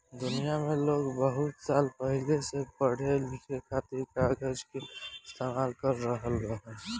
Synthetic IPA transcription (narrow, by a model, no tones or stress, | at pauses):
d̪ʊnijamẽloːɡbəɦʊt̪saːlpəɦilesepəɽ̤elʱikekʰaːt̪iɾkaːɡəd͡ʒkeɪst̪ʰeːmaːlkəɾːəɦəlɡəɦɛ̃ː